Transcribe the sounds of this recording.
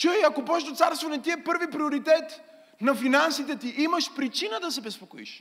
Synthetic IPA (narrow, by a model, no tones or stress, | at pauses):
t͡ʃujɐkobɔʃd̪ot̪saɾst̪vonɛt̪iɛpɤɾvipɾioɾit̪ɛt̪ | nɐfinansit̪ɛt̪iʔiməʃpɾit͡ʃinəd̪ɐsɛbɛspokoḭʃ